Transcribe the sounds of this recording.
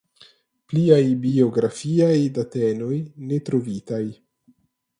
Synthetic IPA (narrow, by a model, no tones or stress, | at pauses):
pliajbio̞ɡɾafiajdateno̞jne̞tɾo̞vitaj